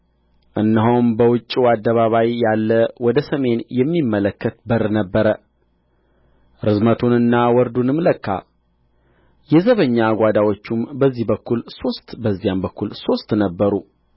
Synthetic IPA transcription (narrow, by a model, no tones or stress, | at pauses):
ʔɨnːəɦowmbəwʊt͡ʃʼːiwad̪ːəβaβajjːalːəwɔd̪əsəme̞njɛmːimːələkːət̪bəɾnəbːəɾə | ɾɨzmət̪ʰunɨnːawɔɾd̪unɨmləkːa̰ | jɛzəβəɲːaɡʷad̪awo̞t͡ʃːumbəzːihbəkːulso̞st̪bəzːijambəkʰːulso̞st̪nəbːəɾu